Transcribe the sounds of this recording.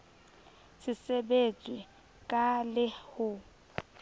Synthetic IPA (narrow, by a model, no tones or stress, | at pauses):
sɪsɛbet͡sʼwɛ | kʼalɪhʊ